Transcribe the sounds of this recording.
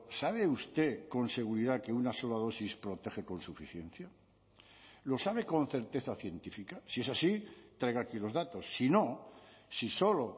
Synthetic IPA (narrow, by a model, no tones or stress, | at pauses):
saβ̞e̞ust̪e̞ko̞nse̞ɣ̞uɾiðake̞unaso̞lað̞o̞sispɾo̞t̪e̞xe̞ko̞nsufiθje̞n̟θja | lo̞saβ̞e̞ko̞nθe̞ɾt̪e̞θaθje̞nt̪ifikasie̞sasit̪ɾajɣakilo̞zðat̪o̞sːino̞siso̞lo̞